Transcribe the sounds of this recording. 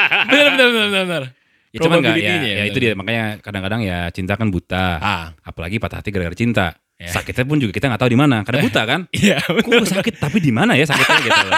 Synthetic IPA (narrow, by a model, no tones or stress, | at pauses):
ənərbənərbənrbənəbənər | jat͡ʃumanɡjaiɲjait̪udiamakaɲakadaŋkadaŋjat͡ʃint̪akanbut̪aapala̰ɡipat̪aha̰t̪iɡəɾɡaɾt͡ʃint̪a | sakɪt̪ap̬ʊnd͡ʒuɡakit̪aŋɡaʔt̪audimanakadabuakaniakukusakɪt̪ːapidimanajas̬akɪt̪ːɡi